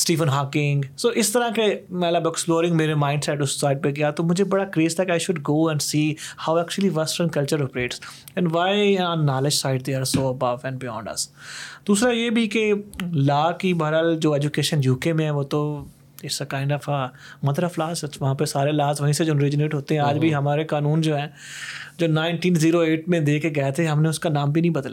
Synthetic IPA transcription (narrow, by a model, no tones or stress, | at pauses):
sʈiːfə̃nɦaːkɪ̃ŋɡsoːʔɪst̪əɾãkemɛ̃ːlaːbɛksploːɾɪ̃ŋɡmeːɾemãːɪ̃ɳɖsɛʈʊsːaːɪʈ̚peɡɪjat̪omʊd͡ʒʱebɐɽakɾeːst̪ʰakaːɪʃʊɖɡoːɛ̃ɳɖsiːhaʊɛːk̚t͡ʃuəliʋɐsʈə̃nkɐlt͡ʃəɾɔːpɾeːʈs | ɛ̃nɖʋaːɪɔ̃ːnːaːlɪd͡ʒsaːɪɖ̚d̪eəɾsoːɐbɐʋɛ̃ɳɖbɪjɔ̰̃ːɳɖɐ̰sd̪uːsɾajeːbʱikelaːkibɐɾəld͡ʒoːɛd͡ʒukeːʃənjuːkemẽɦɛ̃ʋoːt̪o | ɪsekãːɪ̃ɳɖɔfə | mɐd̪ɾaflaːsʋɐɦãːpesaːɾelaːzʋɐɦĩsed͡ʒoɾɪd͡ʒɪneːʈɦoːt̪eɦɛ̃aːd͡ʒbʱiɦɐmaːɾekaːnũːnd͡ʒoːɦɛ̃ː | d͡ʒoːnãːɪ̃nʈĩːnziːɾoeːʈmẽd̪eːkeɡɐjat̪ʰeɦɐmneʊskanaːmbʱinɐ̃ɦĩbɐd̪laː